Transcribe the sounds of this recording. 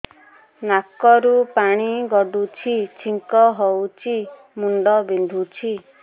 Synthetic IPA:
nakɔɾupaɽ̃iɡɔɖut͡ʃʰit͡ʃʰiŋkɔɦɔwt͡ʃʰi | muɳɖɔbind̪ʱut͡ʃʰi

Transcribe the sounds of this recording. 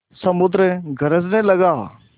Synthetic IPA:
səmʊd̪ɾeɡʱəɾəznɛ̃ləɡaː

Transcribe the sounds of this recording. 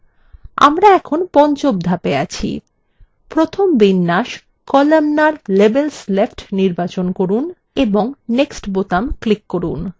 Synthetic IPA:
a̰mɾaɛkʰonpɔnt͡ɕob̚d̪ʱapeat͡ɕʰḭ | pɾot̪ʰombinːaʃ | kɔlamnaɾlebelslefʈniɾbat͡ɕonkoɾun | eboŋneksʈbot̪amklikːoɾun

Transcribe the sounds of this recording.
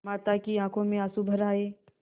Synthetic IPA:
maːt̪akiãːkʰõmẽasubʱəɾaːeː

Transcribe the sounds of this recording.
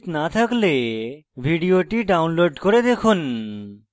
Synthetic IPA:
t̪nat̪ʰaklebʱiɖioʈiɖawnloɖkoɾed̪ekʰun

